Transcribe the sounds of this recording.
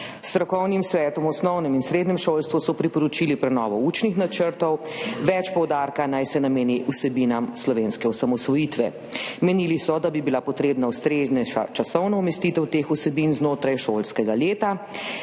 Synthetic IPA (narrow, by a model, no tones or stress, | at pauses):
st̪ɾɔkɔwnimsʋɛːt̪ɔmɔsnɔwnɛminsɾeːd̪ɲɛmʃolst̪ʋusɔpɾipɔɾɔt͡ʃilipɾɛnɔ̰ːʋɔuːt͡ʃnixnat͡ʃəɾt̪ɔw | ʋɛt͡ʃpɔwd̪aɾkanajsɛnameːniʔusɛbinamslɔʋenskɛɔsamɔsʋɔjit̪ʋɛ | mɛnilisɔd̪abibilapɔt̪ɾeːbnaust̪ɾeznɛʃa̰t͡ʃasɔwnɔumɛst̪it̪ɛwt̪exusɛbinznoːt̪ɾajʃolskɛɡaleːt̪a